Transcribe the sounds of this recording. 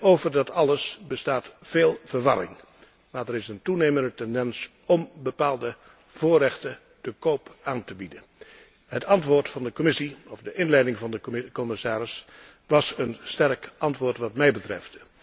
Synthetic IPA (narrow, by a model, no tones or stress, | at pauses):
owvəɹdɑtɑləsbəstaːtfeːlˠv̥əɹʋɑɾɪ̰ŋ | maːɹdəɾɪsəntunejməndətɛndɛns | ɔmbəpaːlˠdə | v̥ʊːrɛχtə | d̥əkowpaːntəbidə | ɦətɑntʋʊːɹtfɑndəkomɪsiɔvdəʔɪnlɛjdɪŋvɑndəkɔmɪsaːɾɪs | ʋɑsənstɛɹkɑntʋʊːɹtʋɑtmɛjbətrɛ̰ft